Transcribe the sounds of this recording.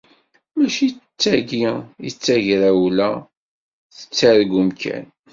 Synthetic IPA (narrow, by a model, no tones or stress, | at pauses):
mæʃit͡sːæɡiḭt͡sːæʝɾæwlæ | θə̥t͡sːæɾɡumkʰæ̰n